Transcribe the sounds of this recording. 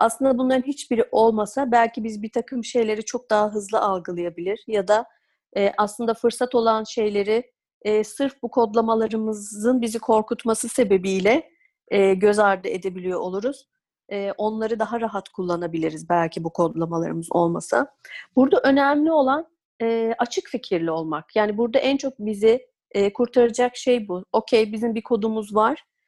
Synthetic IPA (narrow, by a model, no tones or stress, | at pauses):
aslˠɯnd̪abunlˠaɾɯnɦit͡ʃbiɾʔo̞lˠmasabælʲcʰibizbiɾt̪ʰakʰɯmʃe̞jlʲe̞ɾit͡ʃʰo̞k̚d̪aɦaɦɯzlˠɯʔalˠɡɯlˠɯjabilʲiɾ̥jad̪a | ɛːʔaslˠɯnd̪afɯɾsat̪o̞lˠanʃe̞jlʲe̞ɾɪː | sɯɾfbukʰo̞d̪lˠamalˠaɾɯmɯzɯnbizikʰo̞ɾkut̪masɯse̞be̞bijlʲɛ | ɛːɟø̞zaɾd̪ɯe̞d̪e̞bilʲijo̞ʔolˠuɾuz̥ | ɛːʔo̞nlˠaɾɯd̪aɦaɾaɦat̪kʰulˠːanabilʲiɾizbælʲcʰibukʰo̞d̪lˠamalˠa̰ɾɯmɯzo̞̰lˠma̰sɯ̰buɾd̪aʔø̞næmlʲio̞lˠan | ɛːat͡ʃʰɯkficʰiɾlʲio̞lˠmakjaːnibuɾd̪aʔænt͡ʃʰo̞k̚bizɪː | kʰuɾt̪ʰaɾad͡ʒakʃe̞jbuo̞cʰejbizimbikʰo̞d̪umuzvaɾ̥